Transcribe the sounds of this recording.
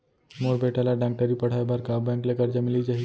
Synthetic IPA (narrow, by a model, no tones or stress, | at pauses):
moɽbʱeʈalaɖãŋk̚ʈəɾiːpəɽ̤ajbaɾkabɛ̃ŋklakəɾd͡ʑamilid͡ʑaɦi